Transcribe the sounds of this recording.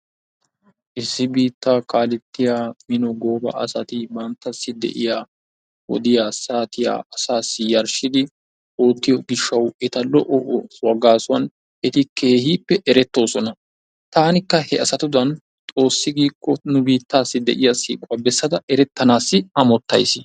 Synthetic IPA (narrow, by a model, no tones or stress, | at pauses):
ʔɪsːɪbiːt̪ːaːkaːlɛt̪ːɪjaːmɪnɔɡo̞ːbɐ̰ʔɐsɐt̪ɪbɐnt̪ːɐsːɪd̪ɛ̰ʔɪjaː | wɔ̰d̪ɪjaːsaːt̪ɪja̰ːʔɐsaːsːɪjɐɾʃɪd̪ɪ | oːt̪ːɪjɔɡɪʃːɐwɛt̪ɐlɔʔɔʔwɐɡaːsʊwɐn | ɛt̪ɪkʰe̞ːhiːpːɛʔɛɾɛt̪ːo̞ːsɔnɐ | t̪aːnɪkːɐhɛɐsɐt̪ʊd̪ɐn | t̪ʼo̞ːsːɪɡiːkːɔnʊbiːt̪ːaːsːɪd̪ɛ̰ʔɪjasḭːkʼwɐbɛsːɐd̪ɐʔɛɾɛt̪ːɐnaːsːɪɐmɔt̪ːɐ̰jsɪ